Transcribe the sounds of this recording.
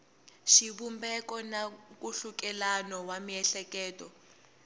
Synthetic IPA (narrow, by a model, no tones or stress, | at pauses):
ʃiβumbɛkɔnak̬ʼuɬukɛlanɔwamiɛɬɛkɛːtʼɔ